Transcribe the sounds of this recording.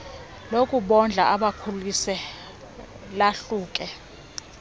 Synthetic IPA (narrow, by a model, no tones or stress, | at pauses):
lokʼuɓɔnd͡ɮʱaaɓakʰulisɛ | laɬuːk̬ʼɛ